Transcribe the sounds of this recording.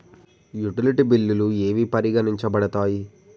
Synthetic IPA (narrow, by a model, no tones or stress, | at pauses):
juʈiliʈibilːulue̞ːʋipɐɾiɡɐniɲt͡ʃɐbɐɽɐt̪aːji